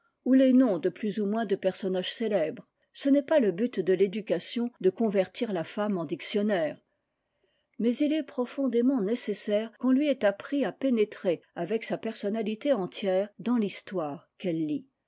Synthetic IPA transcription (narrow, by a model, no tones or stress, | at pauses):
ulenɔ̃d̪əplyzumwɛ̃d̪əpɛʁsɔnaʒ̥selɛbʁ | sənɛpaləbyt̪d̪əled̪ykasjɔ̃d̪əkɔ̃vɛʁt̪iʁlafamɑ̃d̪iksjɔnɛːʁ | mɛzilɛpχɔfɔ̃d̪emɑ̃nesesɛʁkɔ̃lɥiɛt̪apχiapenet̪χeavɛksapɛʁsɔnalit̪eɑ̃t̪jɛːʁd̪ɑ̃list̪waːʁkɛlːi